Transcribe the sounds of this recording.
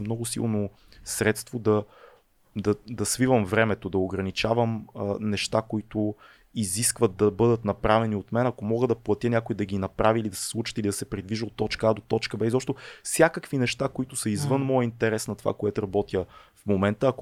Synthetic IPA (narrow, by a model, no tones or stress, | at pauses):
mnɔɡʊsḭlˠno | sɾɛt̪st̪vod̪ɐ | d̪ɐd̪ɐsvivəmvɾɛmɛt̪od̪ɐoɡɾɐnit͡ʃavəmnɛʃt̪akoit̪ʊ | iziskvɐt̪̚d̪ɐbɤd̪ət̪nɐpɾavɛniot̪mɛnɐkomɔɡəd̪ɐplˠɐt̪ʲjənʲjakʊid̪ɐɡinɐpɾaviilid̪ɐsɛ̥slˠut͡ʃə̥t̪ilid̪ɐsɛpɾid̪viʒəot̪ːɔt͡ʃkəad̪ot̪ɔt͡ʃkəbɛzzɔpʃt̪ofsʲjakəkvinɛʃt̪akoit̪ʊsəizvɤnmɔjəint̪ɛɾɛsnɐt̪o̥va̰koɛt̪ʊɾɐbɔt̪ʲəfmomɛnt̪əːk